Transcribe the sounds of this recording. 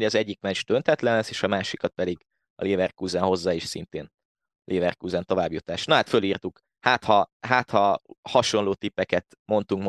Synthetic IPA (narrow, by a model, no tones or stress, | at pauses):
ɒzɛɟːikmɛd͡ʒd̪ønt̪ʰɛt̪lɛnɛseːʃɒmaːʃikɒt̪̚pɛd̪iɡ | ɒ̰leːvɛrkuːzɛnɦo̞zːaːiʃsḭnt̪eːn | lʔeːvɛrkuːzɛnt̪o̞vaːbjut̪aːʃnɒɦaːt̪føliːrt̪uk | haːt̪hɒɦaːt̪hɒhɒʃo̞nloːt̪ipːɛkɛt̪ | mo̞nt̪uŋkm